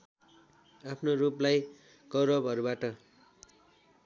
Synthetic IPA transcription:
apʰnoɾuplaj | ɡʌɾʌbɦʌɾubaʈʌ

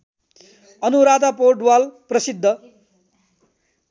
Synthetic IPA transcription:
ʌnuɾad̪aporʈwalprʌsid̪ʱːʌ

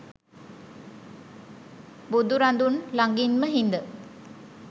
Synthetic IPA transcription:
bud̪uɾand̪unlaŋɡinməɦind̪ə

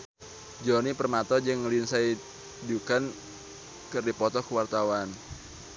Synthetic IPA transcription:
d͡ʒɔnipərmat̪ɔd͡ʒɨŋlinsai | dukan | kɨrdipɔt̪ɔkəwart̪awan

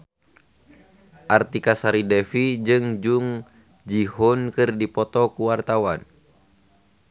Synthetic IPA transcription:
ʔart̪ikasaɾidɛfid͡ʒɨŋd͡ʒuŋ | d͡ʒiɦɔnkɨrdipɔt̪ɔkuwart̪awan

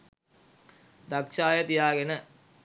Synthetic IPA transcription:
d̪akʂaːjat̪ijaːɡenə

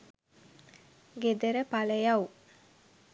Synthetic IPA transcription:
ɡed̪əɾəpaləjaw

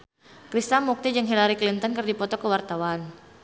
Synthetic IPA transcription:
kɾist̪amːuk̚t̪id͡ʒəŋɦilaɾiklint̪ɔnkɨrdipɔt̪ɔkəwart̪awan

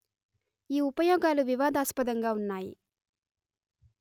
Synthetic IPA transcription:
iːupɐjɔːɡaːluʋiʋaːd̪aːspɐd̪ɐŋɡaːunːaːjḭ

